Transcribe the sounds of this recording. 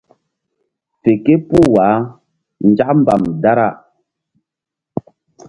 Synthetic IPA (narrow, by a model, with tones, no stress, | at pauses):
fe˨ke˦pu˦˨waː˨˦ | n̩˨˦d͡ʒa˦ʔm̩˦ba˨mda˦ɾa˦˨